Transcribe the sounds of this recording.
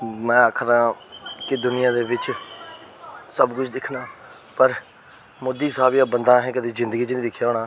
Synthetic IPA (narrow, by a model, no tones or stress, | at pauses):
mɛ̃ːəkʰɾãːkɪd̪ʊnɪjãːd̪eːʋɪt͡ʃ | səbkʊt͡ʃʰd̪ɪkʰnaː | pəɾ | mʊd̪iːsəɦaːbijãːbənd̪ãːɦɛ̃ːkəd̪iːzɪ̃nd̪əɡiːd͡ʒɪnĩd̪ɪkʰːjaːoːnaː